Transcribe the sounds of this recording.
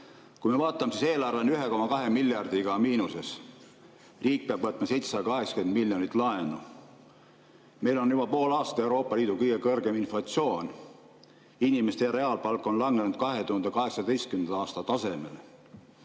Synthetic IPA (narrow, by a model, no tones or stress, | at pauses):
kujmevɑːt̪ːˑɑmesise̞ːlɑrvenyɦe̞ko̞mɑkɑɦe̞milʲjɑrd̪iɡ̥ɑmiːnuse̞s | riːk̚peɑb̥vɤt̪ːˑmɑse̞jt̪se̥sɑd̪ɑkɑɦeksɑ̥ke̞nd̪milʲːjonʲit̪ːlɑe̞nu | me̞jlo̞njub̥ɑpo̞ːlɑːst̪ɑe̞wɾo̞ːpːˑɑliːd̪ukɤjɡ̥e̞kɤrɡe̞minflɑt̪sio̞ːn | inʲime̞st̪ejɑɾe̞ɑːlpɑlkːˑo̞nlɑŋɡenud̪̥̚kɑɦe̞t̪uhɑnd̪ekɑɦe̞ksɑd̪e̞jst̪̚kymnɑɑːst̪ɑt̪ɑse̞me̞le